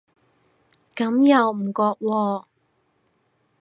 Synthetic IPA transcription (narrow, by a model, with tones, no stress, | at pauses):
kɐ˨˥mjɐ˨wm̩˨˩kɔː˧k̚wɔː˧